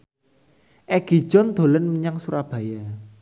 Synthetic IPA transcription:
ʔɛɡ̥i̤̥ʒ̥ɔnd̪̥o̤lənməɲaŋsuɾab̥ä̤ja

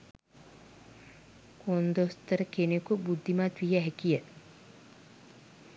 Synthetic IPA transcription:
kond̪ost̪ɐɾɐkenekubud̪ʱːimat̪wijɐɦɛkijət̪

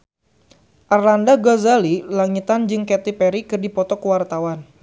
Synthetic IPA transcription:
ʔarlandaɡɔzalilaŋit̪and͡ʒɨŋkɛt̪ipɛɾikɨrdipɔt̪ɔkəwart̪awan

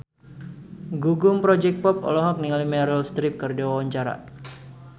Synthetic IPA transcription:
ɡuɡʊmpɾɔd͡ʒɛk̚pɔpɔ̰lɔɦɔk̚niŋalimɛɾəlst̪ɾip̚kərdawawaɲt͡ʃaɾa̰

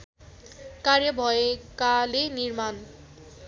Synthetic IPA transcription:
kaɾjʌbʱɔekaleniɾman

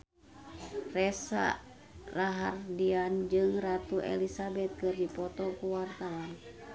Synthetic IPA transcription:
rɛsa̰ | raɦardiand͡ʒɨŋrat̪uʔɛ̰lisabɛt̪̚kɨrdipɔt̪ɔkuwart̪aɔn

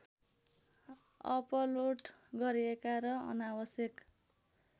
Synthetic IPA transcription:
ʌ̰pʌloʈɡʌɾiekaɾʌʌ̰nawʌsjʌk

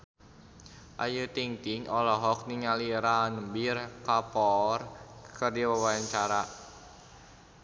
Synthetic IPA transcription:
ʔa̰jut̪iŋt̪iŋɔlɔɦɔk̚niŋaliɾanəmbirkapɔrkərdiwəwaɲt͡ʃaɾa

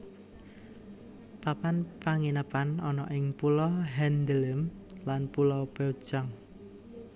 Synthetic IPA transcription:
papanpaŋinəpanɔnɔʔɪŋpulɔɦɛnd̪ələm | lanpulɔbɛd̥ʒ̥aŋ

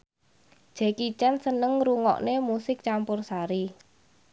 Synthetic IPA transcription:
d̥ʒ̥ɛ̤kit͡ʃɛnsənəŋɾuŋɔ̰ʔnemusɪk̚t͡ʃampʊrsaɾi

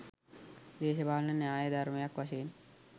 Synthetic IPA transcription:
d̪eːɕɐbʱaːlɐnɐnːaːjɐd̪ʱɐɾmɐjakʋɐʃ̬eːn

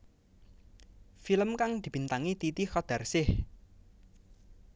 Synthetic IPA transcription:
filəmkaŋd̪̥i̤b̥i̤nt̪aŋit̪it̪ixɔd̪̥a̤rsɪh

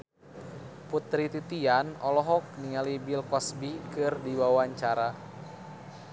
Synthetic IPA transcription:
put̪ɾit̪it̪ianɔlɔɦɔk̚niŋalibilkɔsbikɨrdiwawaɲt͡ʃaɾa

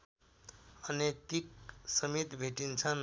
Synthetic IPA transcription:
ʌnet̪ik̚sʌmit̪bʱeʈint͡sʰʌn

